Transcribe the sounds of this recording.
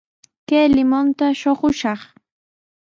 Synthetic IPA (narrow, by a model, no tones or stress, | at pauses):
kajlɪmont̪aʃoχʊʃɑχ